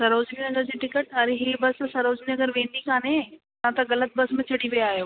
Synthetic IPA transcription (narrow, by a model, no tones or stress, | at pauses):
sɐɾoːd͡ʑninɐɡəɾd͡ʑiːʈɪkəʈɐɾeɦeːbɐssɐɾoːd͡ʑninɐɡəɾʋẽːnd̪ikaːnẽ | nãt̪ɐɡɐlət̪̚bɐsmẽt͡ɕʰɐɽiʋijaːɦijoː